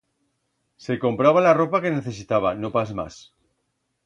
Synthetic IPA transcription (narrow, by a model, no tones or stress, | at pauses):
se̞ko̞mpɾaβ̞alaro̞pake̞ne̞θe̞sit̪aβano̞pasma̰s